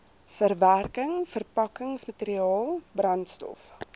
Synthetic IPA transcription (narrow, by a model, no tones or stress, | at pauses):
fərværkəŋfərpɐkəŋsmɐteɾiɑːlˠbrɐntstɔ̰f